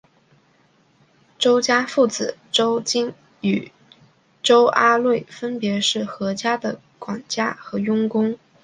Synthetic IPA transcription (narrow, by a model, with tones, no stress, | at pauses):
ʈ͡ʂo˥ʊt͡ɕja˥fu˥˩t͡sɹ̩˨˩ʈ͡ʂo˥ʊt͡ɕi˥ŋ | y˨˩ | ʈ͡ʂo˥ʊʔa˥lwe˥˩ɪfə˥npjɛ˧˥ʂɻ̩˥˩xɤ˧˥t͡ɕja˥d̪ə˨ | kwa˨˩nt͡ɕja˥xɤ˧˥jʊ˥ŋkʊ˥ŋ